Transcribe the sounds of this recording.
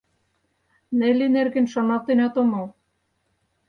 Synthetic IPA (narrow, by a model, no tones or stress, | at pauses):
nĕlenerɣɘ̆nʃonɑt̪enɑt̪omol